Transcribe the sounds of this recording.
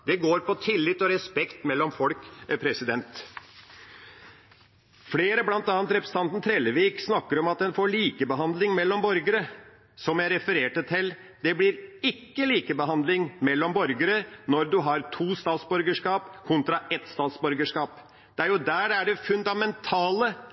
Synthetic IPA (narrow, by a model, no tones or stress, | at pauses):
d̪ɛɡoːɾpɔt̪ʰɪlːɪt̪ːɔɾɛspɛkt̪mɛlːɔmfɔlkpʰɾɛsɪd̪ɛnt̪ | fleːɾəblɑnt̪ɑːnt̪ɾɛpɾəsn̩t̪ɑnt̪n̩t̪ʰɾeːlːəʋiːksnɑkːəɾɔmɑt̪ɛnfɔɭiːkəbəɦɑnd̪lɪŋmɛlːɔmbɔɾɡəɾə | sɔmjæɪɾɛfəɾeːʈət̪ʰɪl | d̪̥ɛblɪɾɪkːəliːkəbəɦɑnd̪lɪŋmɛlːɔmbɔɾɡəɾənɔɾd̪ʉɦɑɾt̪ʰuːst̪ɑːt̪sbœɾɡəʂkɑːpkʰʊnt̪ɾɑɛt̪st̪ɑːt̪sbœɾɡəʂkɑːp | d̪̥ɛæɾjʊd̪æːɖæɖɛfʉnd̪ɑmɛnt̪ʰɑːlə